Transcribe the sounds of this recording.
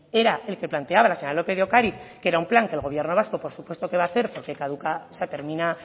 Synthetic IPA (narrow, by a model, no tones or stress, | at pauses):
e̞ɾaʔe̞lke̞plant̪e̞aβalaseɲoɾalo̞pe̞ðeokaɾiθkeeɾaumplaŋkeːlɣo̞βje̞ɾno̞βasko̞po̞ɾsupwe̞st̪o̞ke̞βaːθe̞ɾpo̞ɾkekaðukaosat̪e̞ɾmina